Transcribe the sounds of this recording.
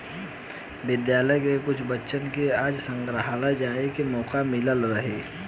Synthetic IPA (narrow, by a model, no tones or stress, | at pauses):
bɪd̪jaːləjkekʊt͡ʃʰbətːʃənkeaːd͡ʒsə̃ŋɡɾəɦaːlad͡ʒaːekimɔːqamɪləlɾəɦeː